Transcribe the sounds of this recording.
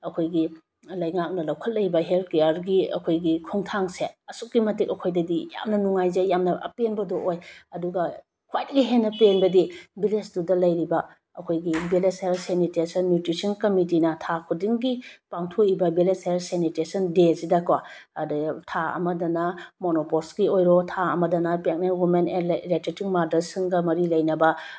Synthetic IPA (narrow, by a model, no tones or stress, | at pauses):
ɐkʰojɡi | lɐjŋak̚nɐlɐwkʰɐt̚lɐjbɐɦelt̚ʰkejaɾɡiɐ̰kʰojɡikʰoŋtʰaŋseɐsuk̚ɡimɐtikɐkʰojdɐdija̰mnɐnuŋajzejamnɐɐ̰penbɐdoʔojɐduɡɐ | kʰwajdɐɡiɦenːɐpenbɐdibilesdudɐlɐjɾibɐ | ɐkʰojɡibilesejsenitesɐnmjutɾisɐnkɐmitinɐtʰakʰudiŋɡipaŋtʰoibɐbilesejlsenitesɐndesidɐkwa | tʰaɐ̰mɐdɐnɐmonopoɾskiojɾotʰaɐmɐdɐnɐpek̚nelwumenenɾetetiŋmaɾdɐɾsiŋɡɐmɐɾilɐjnɐbɐ